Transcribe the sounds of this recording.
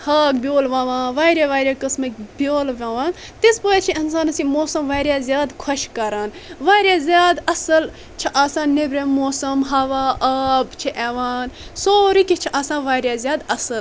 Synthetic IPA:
haːkbʲjoːlʋãːʋãːʋaːɾaːʋaːɾʲjaːkɐsmɐkʲbʲjoːlʋʲãːʋaːn | t̪ispojat͡ʃʰiins̬aːnɐsimoːsɐmʋaːɾʲjaːzjaːd̪kʰɐʃkɐɾaːnʋaːɾjaːzʲjaːd̪ɐsɨl | t͡ʃʰiʔaːsãːnnːebɾemoːsɐmɦɐʋaːʔɐːbt͡ʃʰiʔeʋaːnsoːɾikʲit͡ʃʰiʔaːsãːnʋaːɾʲjaːzʲjaːd̪ɐsɨl

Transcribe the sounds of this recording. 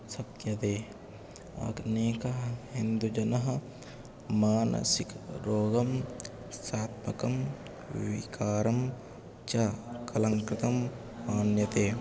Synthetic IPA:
sɐkjɐt̪eː | ɐ̰kneːkɐɦhind̪ud͡ʒɐnɐɦɐ | maːnɐ̰sikɾoːɡɐm | saːt̪̚mɐkɐm | ʋikaːɾɐm | t͡ʃɐkɐlɐŋkɾɪt̪ɐmː | aːnjɐt̪eː

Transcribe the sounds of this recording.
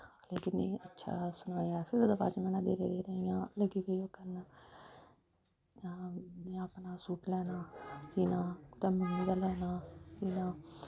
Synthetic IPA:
aːleːkɪnːẽːətːʃʰa̰ːsʊnaːaːɛpʰɪɾoːd̪aːba̰ːt͡ʃːmɛːnãːd̪ḛːɾḛːd̪eːɾəɦijãːləɡiːʋəioːkəɾnaː | aːaːpnaːsuːʈlɛːnaːsiːnãːt̪ãːmənːiːd̪aːlɛːnaːsiːnãː

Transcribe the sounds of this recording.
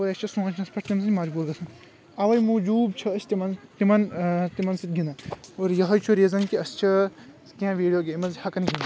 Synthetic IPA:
ʋɐjɐst͡ʃʰɐsũːɐt͡ʃʰnɐspʰɐʈʰt̪imɐsɐnʲmɐd͡ʒbuːɾɡɐsʰɐn | ɐʋɐjmud͡ʒuːb̚t͡ʃʰɐɐt͡ʃʰʲt̪imɐnt̪imɐnt̪imɐnsit̪̚ɡinɐoːɾjɐɦɐjt͡ʃʰuɾiɐzɐŋkiɐst͡ʃʰɐ | k̪ʲãːʋiːɖijoːɡeːmɐzhɐkɐniɡʲinɐ

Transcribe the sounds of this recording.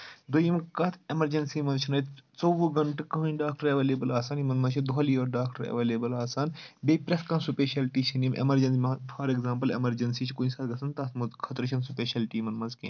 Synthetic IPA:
d̪ojimkɐt̪ʰemɐɾd͡ʒɐnsimɐnt͡ʃʰinɐːjt̪t͡soʋuɡɐɳʈkɐɦɖaːk̚ʈɐɾeʋeːleːbɐlaːsaːnimɐnmɐnzt͡ʃʰid̪oɦɐlijoːɾɖaːk̚ʈɐɾɐ̰ʋeːleːbɐlaːsaːnbeːpɾeskãːsupeːʃɐlʈiːt͡ʃʰɐnimʔḛmɐɾd͡ʒɐnsmpʰɐːɾeɡzãːmpɐlḛmɐɾd͡ʒɐnsiːt͡ʃʰikoːnĩsaːt̪ɡɐsɐnt̪ɐt̪ʰmɐzkʰɐt̪ɾt͡ʃʰɐnsupeːʃɐlʈiːmɐnmɐnzkḛ̃ː

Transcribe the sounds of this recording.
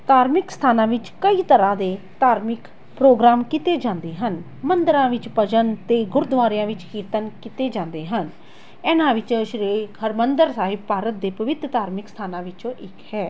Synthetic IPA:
t̪aːɾmɪkst̪ʰaːnãːʋɪt͡ʃkəiːt̪əɾãːd̪eː | t̪aːɾmɪk | pɾoːɡɾaːmkɪt̪eːd͡ʒãːnd̪eːɦən | mənd̪əɾãːʋɪt͡ʃpəd͡ʒənt̪eːɡʊɾd̪ʊʋaːɾjãːʋɪt͡ʃkiːɾt̪ənkɪt̪eːd͡ʒãːnd̪eːɦən | ɛːnãːʋɪt͡ʃʃɾeːkʰəɾmənd̪əɾsaːɦɪb̚paːɾət̪̚d̪eːpəʋɪt̪ɾt̪aːɾmɪkst̪ʰaːnãːʋɪt͡ʃõːʔɪkhɛː

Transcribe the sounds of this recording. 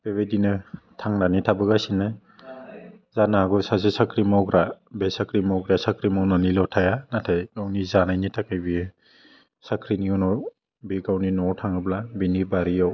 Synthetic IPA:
b̥eβedinɯtʰaŋnanitʰabɯɡasinɯ | zanaaɡɔsasesakɾimawɡɾa | besakɾimawɡɾasakɾimawnanilɔtʰajanatʰajɡawnizanajnitʰakɯjbie | sakʰɾiniɔnɔw | biɡawninɔɾtʰaŋɯblabinibaɾijaw

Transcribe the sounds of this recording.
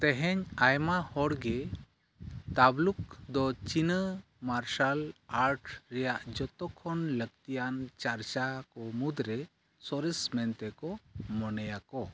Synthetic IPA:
t̪ɛɦɛɲajmahɔɽɡɛ | t̪abluk̚d̪ɔt͡ʃinə | maɾʃalaɾʈɾɛjaʔd͡ʒɔt̪ɔkʰɔnləɡ̚t̪ijant͡ʃaɾt͡ʃakɔmud̪ɾɛ | sɔɾɛsmɛnt̪ɛkɔmɔnɛjakɔ

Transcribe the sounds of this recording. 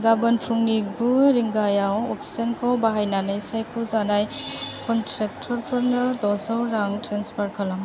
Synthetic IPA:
ɡabɯnpʰuŋnik̚buɾiŋɡajawɔksi̥zankʰawbaɦajnanɯjsajkʰɔzanaj | kʰɔntʰɾetʰɔɾpʰɔɾnɯlɔzɔwɾaŋtɾenspʰaɾkʰalaŋ

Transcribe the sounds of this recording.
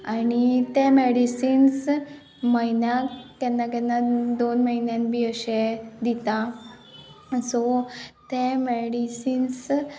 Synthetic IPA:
anit̪ɛ̃meɽisiːns | məjnjãkɛnːakɛnːad̪onməinjãnbiəɕed̪it̪a | sɔt̪ẽmeɽisiːns

